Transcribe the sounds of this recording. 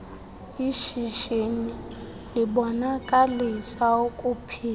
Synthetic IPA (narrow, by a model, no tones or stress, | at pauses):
iʃiʃeni | liɓɔnakʼalisaokʼupʰiːl